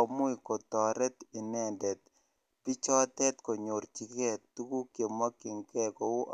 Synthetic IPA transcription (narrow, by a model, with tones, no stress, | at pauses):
mu˦iko˨tɔ˨ɾɛ˦t̪i˨nɛ˨ndɛ˨t̪̚ | pi˦t͡ʃɔ˦tɛ˦t̪ko˨ɲo˨ɾt͡ʃi˨kɛ˦tu˦ku˦kje˨mwa˦kːi˨ŋkɛ˦ko˨u˦